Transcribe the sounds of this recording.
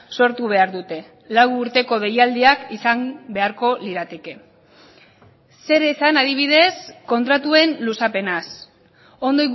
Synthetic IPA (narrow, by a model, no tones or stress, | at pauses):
so̞ɾt̪uβ̞e̞aɾðut̪e̞ | lawːɾt̪e̞ko̞ð̞e̞jald̪iakisambe̞aɾko̞liɾat̪e̞ke̞ | e̞ɾe̞sanað̞iβ̞ið̞e̞sko̞nt̪ɾat̪ue̞nlusape̞nas | o̞nd̪o̞j